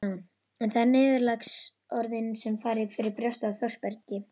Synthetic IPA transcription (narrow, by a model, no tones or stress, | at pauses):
ɛnθaðɛɾnɪːðɪɾlaks | ɔɾðɪnsɛmfaːɾɪfɪɾɪɾpɾjɔst̪aθʰjɔ̥spɛɾcɪ